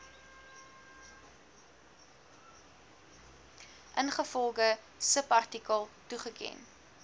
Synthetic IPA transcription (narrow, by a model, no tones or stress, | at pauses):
ʔənχəfɔlˠɡə | səpɐrtikəlˠtuχəkʰɛ̰n